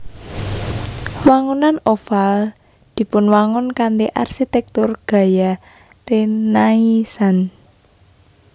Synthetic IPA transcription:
waŋunanofal | d̪̥i̤pʊnwaŋʊnkand̪eʔa̰rsit̪ɛk̚t̪ʊrɡ̥a̤ja | renaisan

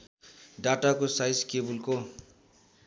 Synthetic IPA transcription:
ɖaʈakosajskebulko

